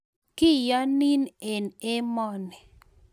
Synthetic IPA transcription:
kɪ˦ja˦ni˦ne˨ne˦mɔ˦nɛ˨

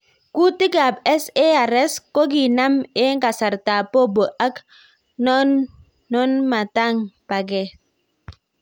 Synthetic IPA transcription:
ku˦ti˦ɡa˨bɛ˦se˦a˨ɾɛ˦sko˦ɡi˨na˦me˦ŋ˦ɡa˨sa˨ɾta˨po˦bo˨ʔa˦k | nɔ˦nː | ɔ˦nma˨ta˦˨ŋpa˨ɡɛ˦

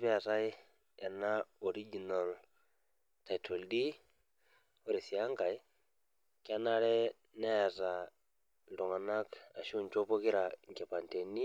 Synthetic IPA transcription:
pɛ˦a˨ta˦j | ɛ˨na˦ɔ˨ɾi˦d͡ʒi˨na˨l | ta˨jtʰo˨ldi˦ | o˦ɾi˨si˨a˦ŋka˨j | ka˦na˦ɾɛ˦ | na˦ja˨ta˨ | ndɔ˨ŋa˨na˦ka˨ʃu˦˨nt͡ʃo˦pɔ˦ki˦ɾa˨ŋkɛ˨pa˨nte˨ni˦

